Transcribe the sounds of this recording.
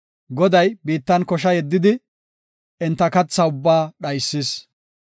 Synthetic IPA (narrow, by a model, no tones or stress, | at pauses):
ɡɔd̪ɐjbiːt̪ːɐnkɔʃɐjɛd̪ːɪd̪ɪ | ɛnt̪ːɐkɐt͡sːɐʊbːaːɗɐjsːɪs